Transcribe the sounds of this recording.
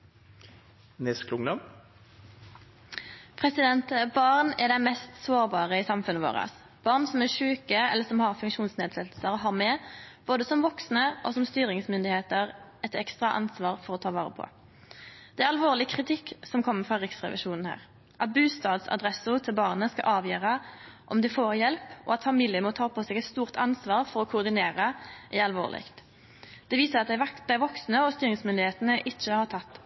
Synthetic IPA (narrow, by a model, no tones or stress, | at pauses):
nɛsklʊŋd̪ɔm | pʰʁɛsɪd̪ɛnt̪bɑʁnɛd̪æɪmɛst̪soːʁbɑːʁəɪsɑmfʉnːəʋo̰ːʁə̰s | b̥ɑʁnsɔmæʃʉːkəɛ̰lːəsɔmhɑʁfʉŋkʃuːnsneːd̪sɛt̪l̩səʁɦɑmɛːb̥oːd̪əsɔmʋɔksnəʔɔsɔmst̪yːɾɪŋsmʏnd̪ɪheːt̪əʁɛt̪ɛkst̪ʁɑʔɑ̰nsʋɑːʁfɔʁɔt̪ʰɑːʋɑːʁə̰pʰɔ̰ | d̪̥ɛæɾɑlʋoːʁlɪkʰʁɪt̪ʰɪkːsɔmkʰɔmːəfʁɑʁɪksʁɛ̰ʋɪ̰ʃuːnn̩hæ̰ːʁ | ʔɑt̪̚bʉːst̪ɑːd̪sɑ̰d̪ʁɛsʊt̪ʰɪlbɑʁnəskɑ̰ʔɑːʋjøːʁəʔɔmd̪ɪfoːʁjɛlpʔɔ̰ɑt̪fɑmiːljəmɔt̪ʰɑːpʰɔsɛːɡɛt̪st̪uːʁt̪ʰɑnsʋɑːʁfɔɾɔkʰʊʁd̪ɪneːʁəʔæɑlʋo̰ːʁlɪ̰kt̪ | d̪̥ɛʋiːsəʁɑt̪d̪̥æɪʋɔksnəɔst̪yːɾʁɪŋsmʏnd̪ɪheːt̪ənəʔɪt͡ʃːəhɑʁt̪ʰɑt̪ː